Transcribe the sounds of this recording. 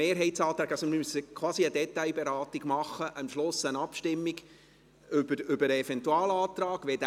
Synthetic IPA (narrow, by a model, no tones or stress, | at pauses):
eːɾɦɛɪtsɑːt̪ɾɑːkɑsɔmmysːəkʰwɑːsiəd̥̪ɛtaɪbɛɾɑːtiɡ̥mɑχːəʔəmʃlʊsənɑpʃtɪmːiɡ | ʏbəɾʏbəɾəɛfɛntuɑːlɑːt̪ɾɑːɡ̥ʋɛd